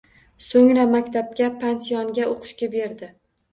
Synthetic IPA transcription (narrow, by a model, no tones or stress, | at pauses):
soŋɾamakʲt̪ʰap̚kʲapʰansijɒnɡʲaoqʰɨ̥ʃkʲabe̞ɾd̪ɪ